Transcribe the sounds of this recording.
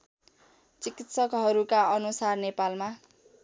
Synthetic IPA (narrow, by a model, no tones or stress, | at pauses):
t͡sikit̪sʌkɦʌɾukaʌnusarnepalma